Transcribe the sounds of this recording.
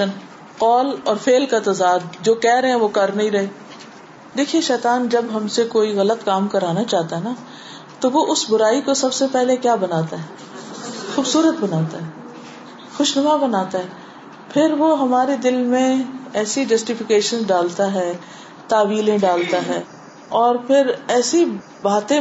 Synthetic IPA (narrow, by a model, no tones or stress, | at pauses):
ən | qɔːlɔːɾfʰeːlkat̪ɐzaːd̪̚d͡ʒoːkɛːɾɐɦɛ̃ʋokɐɾnɐɦĩɾɐɦeː | d̪eːkʰieʃɛːt̪aːnd͡ʒɐbɦɐmsekoːiɣɐlət̪kaːmkɐɾaːnat͡ʃaːɦt̪aɦɛna | t̪oʋoʔʊsbʊɾaːikosɐbsepɛɦlekjaːbɐnaːt̪aɦɛː | xuːbsuːɾət̪̚bɐnaːt̪aɦɛː | xʊʃnɐmabɐnaːt̪aɦɛː | pʰɪɾʋoɦɐmaːɾed̪ɪlmẽɛːsid͡ʒɐsʈɪfɪkeːʃənzɖaːlt̪aɦɛː | t̪aːʋiːlẽɖaːlt̪aɦɛː | ɔːɾpʰɪɾɛːsi | baːt̪ẽ